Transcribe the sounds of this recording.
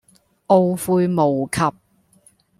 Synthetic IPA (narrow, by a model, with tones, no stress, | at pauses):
ʔo˧wfuː˧jmo˨wkʰɐ˨p̚